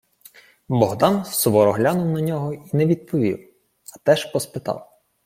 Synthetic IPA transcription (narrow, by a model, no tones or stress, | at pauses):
bɔɦd̪ɑnssɔʋɔɾɔɦlʲanʊwnɐnʲɔɦɔinɛʋʲid̪̚pʰɔʋʲḭw | ɐt̪ɛʃpɔspɪt̪ɑ̰w